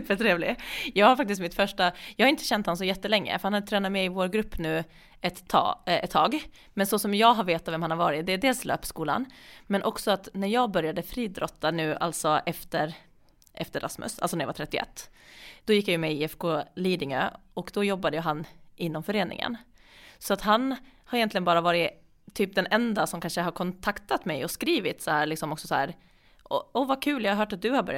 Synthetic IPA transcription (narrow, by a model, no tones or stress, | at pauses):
fɛʈʰɾeːvlɪjɑːɡhaɾfak̚t̪ɪs̬t̪mɪt̪fœʂʈajɑːhaɪnt̪əɕɛnt̪hans̬ɔjɛt̪ːəlɛŋːə̰fœɾhanhad̪ət̪ʰɾɛːnat̪mɛɪvoːɾɡɾɵpːnʉ̟ː | ɛt̪ːɛt̪ʰːɑːɡ | mɛnsɔsɔmjɑːɡɦaɾveːt̪ːavɛmhanhaɾvɑːɾɪt̪̚d̪ɛːɖ̪eːlslʔø̰ːpskuːla̰nmɛnʔɔksɔat̪næɾjɑːɡbœɾjad̪əfɾiːd̪ɾɔt̪ːanʉ̟ːʔa̰lt̪sɔʔɛft̪əɾ | ʔɛft̪əɾʔa̰smɵ̰sa̰lsɔnæɾjɑ̰va̰t̪ʰɾɛt̪ːɪɛ̰t̪ːd̪̥ɔjɪkːjajɵmɛɪɛfkʰoːliːd̪ɪŋø̰ːɔkd̪ɔjɔbːad̪əjʉɦanʔɪnːɔmfœɾeːnɪ̰ŋə̰nsɔat̪ɦan | haɾɪjɛnt̪lɪɡənbɑːɾavɑːɾɪ | t̪ʰːyːp̚d̪ɛnʔɛnd̪asɔmkʰanʂəɦaɾkʰɔnt̪ʰakt̪at̪mɛjɔskɾiːvɪt̪sɔhæːɭɪksɔmɔksɔsɔhæːɾ | ʔɔɔvakʰʉ̟ːljɑːhaɦœːʈat̪̚d̪ɵhaɾbœ̰ɾj